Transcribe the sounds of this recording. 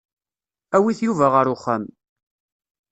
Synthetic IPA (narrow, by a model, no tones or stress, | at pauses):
æwiθjuvæʁəɾʊχːæm